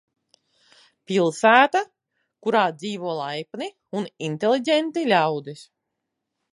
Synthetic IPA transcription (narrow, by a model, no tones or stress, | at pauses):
pʲilˠsæːt̪a | kuɾaːd̪ziːvuɔlˠajpni | unint̪ʲelʲˠiɟʲent̪ilʲawd̪is